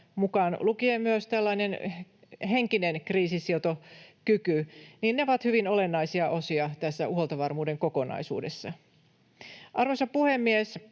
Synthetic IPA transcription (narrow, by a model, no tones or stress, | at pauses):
mukɑːnlukiemyøst̪ælːɑinen | ɦeŋkinenkriːsisiot̪okykyniːnːeoʋɑt̪hyʋinole̞nːɑisiɑʔosiɑt̪æsːæuholt̪ɑʋɑrmuːde̞ŋko̞ko̞nɑ̰isṵːdesːɑ | ʔɑrʋosɑpuhemːies